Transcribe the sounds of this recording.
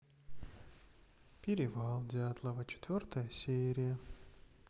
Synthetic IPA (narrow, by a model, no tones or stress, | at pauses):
pʲɪɾʲɪvalˠdʲɪat̪lˠəvət͡ɕɪ̥t̪vʲort̪əjəsʲeɾʲɪjə